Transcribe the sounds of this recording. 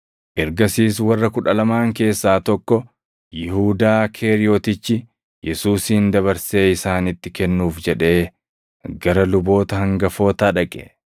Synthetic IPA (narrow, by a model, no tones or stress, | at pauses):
ʔɛɾɡɐsiːswɐrːɐkʊᶑɐlɐmaːŋke̞ːsːaːt̪ɔkːɔ | jɪhuːd̪aːkʰe̞ːɾɪoːt̪ɪt͡ʃːɪ | jɛsuːsind̪ɐβɐɾse̞ːɪsaːnɪt̪ːɪkɛnːuːfd͡ʒɛᶑe̞ː | ɡɐɾɐlʊbo̞ːt̪ɐhɐŋɡɐfo̞ːt̪aːᶑɐkʼɛ̰